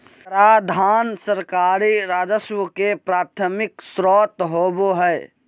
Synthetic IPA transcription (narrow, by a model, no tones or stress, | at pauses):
ɾad̪ʱansəɾkaɾiɾaːd͡ʒəswəkepɾaːt̪ʰəmɪksɾɔt̪ɦoboɦɛj